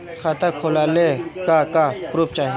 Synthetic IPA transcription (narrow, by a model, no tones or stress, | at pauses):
kʰaːt̪akʰoːlaːlekakapɾup̚t͡ʃaːɦe